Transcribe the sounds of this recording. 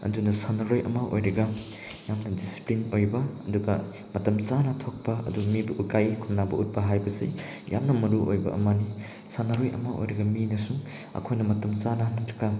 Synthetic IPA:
ɐ̰dunɐsanɐɾojʔɐ̰maʔo̰jɾɐɡɐ | jamnɐdisi̥plinojbɐɐ̰duɡɐ | mɐtɐmt͡ʃanɐtʰok̚paɐ̰dumibɐʔukajkʰunːabɐut̚bɐɦajbɐse | ja̰mnɐmɐɾuʔojbɐ̰ʔɐ̰mani | sanɐɾojɐ̰maʔo̰jɾɐɡɐminɐsuŋ | ɐ̰kʰojnɐmɐtɐmt͡ʃanɐnɐɾɐɡa

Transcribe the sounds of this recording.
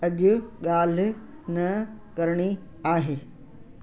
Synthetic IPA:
ɐʄʊɠaːl̤̆ | nɐkɐɾɽ̃i | aːɦeː

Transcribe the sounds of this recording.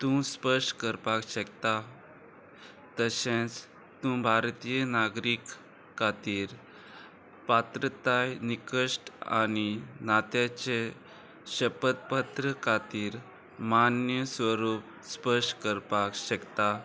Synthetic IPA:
t̪ũspəʂʈkəɾpakɕəkt̪a | t̪əɕẽt͡s | t̪ũbʱaɾt̪ijənaɡɾikʰː | at̪iːɾ | pat̪ɾət̪ajnikəʂʈa̰ninat̪jat͡ɕe | ɕəpət̪̚pət̪ɾəkʰat̪iːɾ | manjəsʋəɾup̚ | spəʂʈkəɾpakɕəkt̪a

